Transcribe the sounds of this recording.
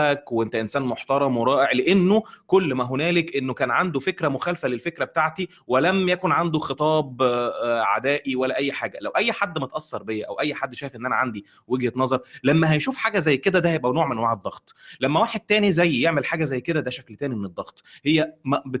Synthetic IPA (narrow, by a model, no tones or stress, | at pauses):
ækwʔent̪æʔensæːnmoħt̪ɑɾˤɑmweɾˤɑːʔeʕleʔenːokolːmæɦonæːlekʔenːokæːnʕand̪ofekɾæmoxæːlfælelfekɾæbet̪aʕt̪i | welæmjækonʕand̪oxet̪ˤɑːb | ʕa̰d̪æːʔiwælːæʔæjːħaːɡælæwʔæjːħad̪ːmet̪ʔɑsːɑɾˤbejːæʔæ̰wʔæjːħad̪ːʃæːjfʔenːʔænæʕand̪i | weɡhet̪nɑzˤɑɾˤlæmːæɦæjʃuːfħaːɡæzæjːked̪æd̪æjebʔænoːʕmenwaʕed̪ˤːɑɣt̪ˤlæmːæwaːħed̪̚t̪æːnizæjːjeʕmelħaːɡæzæjːked̪æd̪æʃæklt̪æːnimened̪ˤːɑɣt̪ˤhejːæmæbe